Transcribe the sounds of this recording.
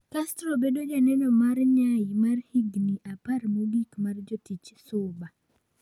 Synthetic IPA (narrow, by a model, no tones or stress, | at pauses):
kastɾobedod͡ʒanɛnɔmarɲajimarhiɡniʔaparmoɡikmard͡ʒɔtit͡ʃsʊba